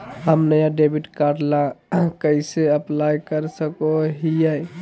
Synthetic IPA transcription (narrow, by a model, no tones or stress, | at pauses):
ɦəmnəjãɖebiʈkaɾɖlãkəɪseəplajkəɾsəkoɦijəj